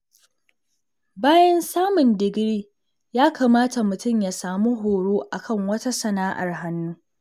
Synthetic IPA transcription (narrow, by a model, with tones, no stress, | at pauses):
baː˦jɐ˦nsaː˦mʊ˨ndɪ˨ɡɾiː˦ | jaː˦kʰaː˨maː˦ta˨mʊ˨tʊ˦mja˨saː˨mu˦ɦoː˨ɽoː˦ʔa˨kɐ˦˨ŋwɐ˦ta˦sɐ˨naː˦ʔa̰˨rɦa˦nːuː˦